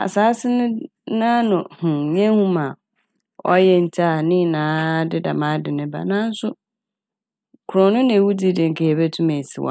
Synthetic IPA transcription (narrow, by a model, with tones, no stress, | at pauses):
a̰˨saː˨˦sɪ˦nʊ̃˦ | nãː˦nʊ̃˨hʊ̃˨ɲɛ̃˦hũ˦mã˨ | ɔ̰˦jɛ˦n̩˨tʰa˨nɪ̃˦˨nãː˨˦dɪ˦da˨mã˦dɪ˨nɪ̃˦ba̰˨nã˦n̩˦sʊ˦ | kʰʊ˨ɾɔ˨nʊ̃˦n˦ẽ˨wu˦di˦dɪ̃˨ŋ̩˨kʰɛ˨ɛ˨be˦tʰũ˦mɛ˨si˨wɔ̰˨